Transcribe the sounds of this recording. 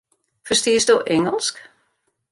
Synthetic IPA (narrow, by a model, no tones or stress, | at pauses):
fərstiəsdoːʔɛŋəlˠsk